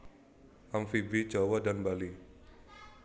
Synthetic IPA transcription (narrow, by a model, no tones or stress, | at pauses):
ʔamfibi̥d͡ʒawadanbali